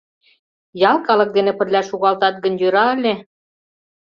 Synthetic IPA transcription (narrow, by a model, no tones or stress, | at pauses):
jɑlˠkɑlɤ̆k̚d̪enepə̆rlʲæʃuɣɑlt̪ɑt̪̚ɡə̆njøɾɑə̆lʲe